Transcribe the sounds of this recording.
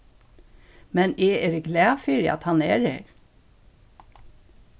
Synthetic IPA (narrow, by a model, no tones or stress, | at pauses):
mɛneːeɾɡlæːfyːɾ̰ɑ̰t̪hɑnḛːɾḛɾ